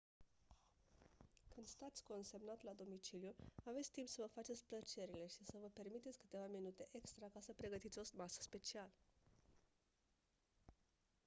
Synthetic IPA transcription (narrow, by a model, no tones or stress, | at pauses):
kɨnd̪st̪at̪sʲko̞nse̞mnat̪lad̪o̞mit͡ʃiljuave̞t̪sʲt̪impsəvəfat͡ʃe̞t̪sʲplət͡ʃe̞ɾile̞ʃisəvəpe̞rmit̪et̪sʲkɨ̥t̪e̞vaminut̪e̞ʔe̞kst̪ɾakasəpɾe̞ɡət̪it̪sʲo̞smasə̥spe̞t͡ʃial